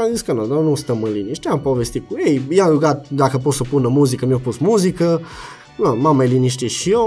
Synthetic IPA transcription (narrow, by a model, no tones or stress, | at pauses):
aziskanɐd̪anust̪ɐmɐliniʃt̪ɛmpɔvɛst̪ikuɛjjaɡɡad̪akəpɔsɐpunɐmuzikəmifpusmuzikə | amamɛliniʃt̪ɛʃiɔ